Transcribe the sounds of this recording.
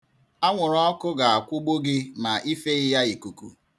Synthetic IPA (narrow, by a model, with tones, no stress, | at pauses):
a˦ŋʷʊ˨ɾɔ˦kʊ˦ɡa˨a˨kʷʊ˦ɡ͡bo˦ɡɪ˦ma˨i˦fe˦ɪ˦ja˦i˨ku˨kṵ˨